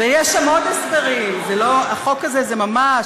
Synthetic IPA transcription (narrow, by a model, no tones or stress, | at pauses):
vejɛʃamo̞d̪esbeʁimzelo̞aχo̞kazezemama